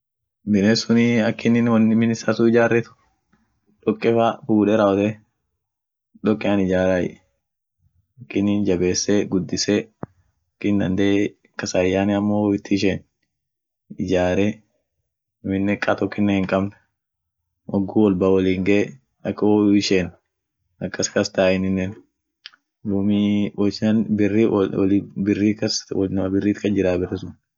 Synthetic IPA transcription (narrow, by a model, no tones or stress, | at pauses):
bɪneːsʊniɐkːɪnːɪnwɐnːɪmɪnɪsasuɪd͡ʒaːrːɛt̪ʊ̥ | ᶑɔkʼːɛfafuːᶑɛɾɐwɔt̪ɛ | ᶑɔkʼːɪanɪd͡ʒaːɾaːj̰ | ɐkːɪnːɪnd͡ʒɐbeːsːeɡʊd̪ːɪseː | ɐkːɪnd̪ɐnd̪eː | kɐsaːjːaːnɛɐmːoːɪt̪ːɪʃeːn | ɪd͡ʒaːɾeː | ʊmɪnːɛkʼɐt̪ɔkːɪnːɛhɪŋkʼɐbnɐ | ʔɔɡːuːwɔlbawɐliːŋɡɐ | ɐkːɐɪʃeːn | ɐkːɐskɐst̪aːʔɪnɪnːɛn | d̪uːmiwɔt͡ʃɐnbɪrːiwlbɪrːiːkɐswnɐbɪrːiːt̪kɐd͡ʒɪɾaːbɪrɛsʊn